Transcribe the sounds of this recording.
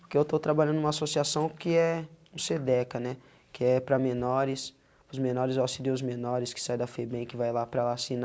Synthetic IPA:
pʊkeewt̪ot̪ɾabaʎɐ̃d̪ʊũmɐasosiasɐ̃w̃kɪɛũsed̪ɛkɐnɛ | kɪɛpɾɐmenɔɾɪs | pʊzmenɔɾɪzasid̪eʊzmenɔɾɪskɪ̥sajd̪ɐfebẽj̃kɪvajlapɾɐlasin

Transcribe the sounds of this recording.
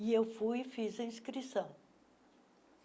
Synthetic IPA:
ɪewfujɪfizɐĩskɾisɐ̃w̃

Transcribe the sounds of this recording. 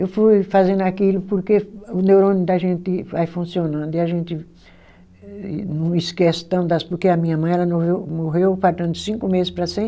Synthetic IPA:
ewfujfazẽnd̪ʊakilʊpoɾkeʊnewɾõnʊd̪ɐʒẽnt̪ɪvajfũsionɐ̃nd̪ʊɪaʒẽnt̪ɪ | nɐ̃w̃ɪskɛsɪ̥t̪ɐ̃w̪̃d̪ɐspoɾkeɐmĩɲɐmɐ̃j̃ɛlɐnovewmoɦewfaɾt̪ɐ̃nd̪ʊsĩŋkʊmezɪspɾɐsẽ

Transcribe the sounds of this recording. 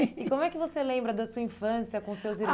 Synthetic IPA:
ɪkõmʊɛkɪvoselẽmbɾɐd̪ɐsuɐĩfɐ̃siɐkõʊsewziɾ

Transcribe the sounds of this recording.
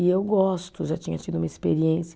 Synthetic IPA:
ɪewɡɔst̪ʊʒat͡ʃĩɲɐt͡ʃid̪ʊũmɐespeɾiẽsɪ

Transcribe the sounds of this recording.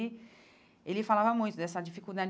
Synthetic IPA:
ɪ | elɪfalavɐmũj̃t̪ʊd̪ɛsɐd͡ʒifikud̪ad͡ʒ

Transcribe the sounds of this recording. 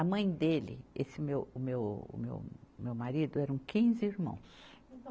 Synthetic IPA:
ɐmɐ̃j̃d̪elɪ̰esɪmewʊmew̰mḛwmewmaɾid̪ʊɛɾɐũkĩzɪiɾmɐ̰̃w̃s

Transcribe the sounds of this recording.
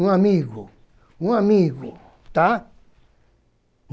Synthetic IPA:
ũãmĩɣo | ũãmĩɣo | t̪a | n

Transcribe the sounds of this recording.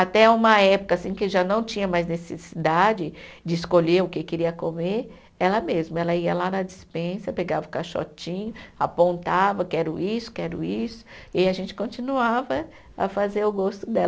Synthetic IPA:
at̪ɛũmɐɛpʊ̥kɐasĩkɪʒanɐ̃w̃t͡ʃĩɲɐmajznesḛsid̪ad͡ʒɪd͡ʒɪːskoʎeɾʊkɪkeɾiɐkomeɾ | ɛlɐmezmɐɛlɐiɐlanɐd͡ʒispẽsɐpeɡavɐʊkaʃɔ̰t͡ʃĩɲʊa̰põnt̪avɐkɛɾʊʔisʊ̥kɛɾʊ̰isʊ̥ɪaʒẽnt͡ʃɪ̥kõnt͡ʃinuavɐ | ɐ̰fazeɾʊɡost̪ʊd̪ɛl

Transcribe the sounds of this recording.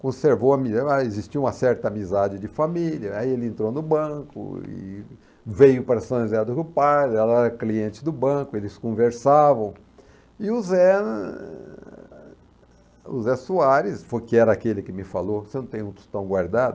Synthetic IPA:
kõseɾvowɐmizaezist͡ʃiɐũmɐsɛɾt̪ɐamizad͡ʒɪd͡ʒɪfamiliɐaielɪẽnt̪ɾonʊbɐ̃kʊ̰ɪ̰ | vejʊpaɾɐsɐ̃ezad̪ʊkɪʊpajd̪ɾɪɛlɐɛɾɐkliẽnt͡ʃɪ̥d̪ʊbɐ̃kʊelɪskõveɾsavɐ̃w̃ | ɪʊzɛ | ṵzɛsuaɾɪsfojkɪɛɾɐakelɪkɪmɪfalosenɐ̃t̪ẽj̃ũt̪u̥t̪ɐ̃w̃ɡwaɾd̪ad̪ʊ

